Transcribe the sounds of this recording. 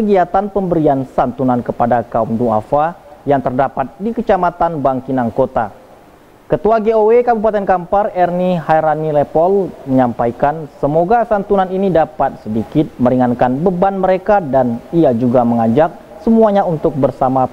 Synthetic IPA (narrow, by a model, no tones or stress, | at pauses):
kəɡiat̪anpəmbəɾiansant̪unankəpadakaumdua̰fajaŋt̪ərdapat̪̚dikət͡ʃamat̪anbaŋkinaŋkot̪a | kət̪uaɡeowekabupat̪ɛnkamparɛrnihajɾanilepɔlməɲampajkansəmoɡasant̪unaninidapat̪̚sədikɪt̪̚məɾiŋankanbəbanməɾekadaniad͡ʒuɡaməŋad͡ʒak̚ | səmuaɲaunt̪ʊk̚bərsama